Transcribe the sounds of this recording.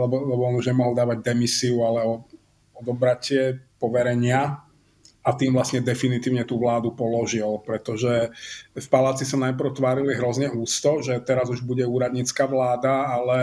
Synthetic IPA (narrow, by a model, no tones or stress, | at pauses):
lɛbɔlɛbɔɔnuʒɲɛmɔɦɔlˠd̪aːʋaɟ̚d̪ɛmisiualɛɔ | ɔd̪ɔbɾacɪɛpɔʋɛɾɛɲɪa | at̪iːmvlasɲɛd̪ɛfinit̪iːʊɲɛt̪uːʋlaːd̪upɔlɔʒilpɾɛt̪ɔʒɛfpalaːt͡sisanajpɾ̩ʊt̪ʋaːɾiliɦɾɔzɲɛuːst̪ɔʒɛt̪ɛɾazuʒbuɟɛuːɾad̪ɲit͡skaːʋlaːd̪aalɛ